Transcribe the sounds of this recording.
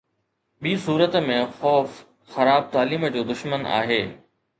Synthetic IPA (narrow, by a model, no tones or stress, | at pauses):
ɓiːsuːɾət̪mẽxɔːf | xɐɾaːb̚t̪aːliːməd͡ʑoːd̪ʊʃməna̰ːɦeː